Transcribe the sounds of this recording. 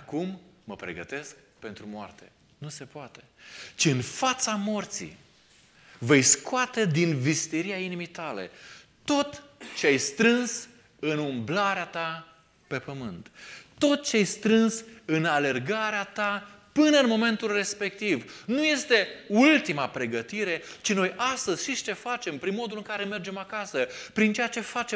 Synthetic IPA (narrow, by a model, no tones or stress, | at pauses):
akumːəpɾe̞̰ɡət̪e̞sk | pe̞nt̪ɾumoa̰rt̪e | nuse̞poat̪e̞t͡ʃiɨnfat̪samo̞rt̪sḭ | ve̞jskoat̪e̞d̪invist̪iɾiainimejt̪ale̞̰t̪o̞t̪t͡ʃeajst̪ɾɨns | ɨnumblaɾeat̪a | pe̞pəmɨnt̪ːo̞t̪̚t͡ʃeajst̪ɾɨnsɨnale̞rɡaɾeat̪a | pɨnəɨnmo̞me̞nt̪ulre̞spe̞k̚t̪ivnuje̞st̪e̞ult̪imapɾe̞ɡət̪iɾe̞t͡ʃino̞jʔast̪əz̥ʲʃiʃt͡ʃe̞fat͡ʃe̞mpɾinmo̞d̪ulɨŋkaɾe̞me̞rd͡ʒe̞makasəpɾint͡ʃe̞jat͡ʃe̞fat͡ʃe